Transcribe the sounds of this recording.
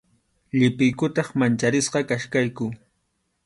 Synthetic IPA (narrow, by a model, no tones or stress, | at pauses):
ʎɪpɪjkʊt̪ɑχmant͡ʃaɾɪsqɑkaʃkajkʊ